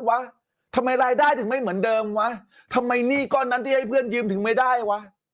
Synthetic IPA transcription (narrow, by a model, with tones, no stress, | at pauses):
wa˦˥ | t̪ʰa˧mːa˧jɾaː˧jdaː˥˩jt̪ʰɯ˩˦ŋma˥˩jmɯ˩˦əndɤː˧mwa˦˥ | t̪ʰa˧mːa˧jniː˥˩kɔː˥˩nːa˦˥nt̪ʰiː˥˩ha˥˩jpʰɯ˥˩ənjɯː˧mt̪ʰɯ˩˦ŋma˥˩jdaː˥˩jwa˦˥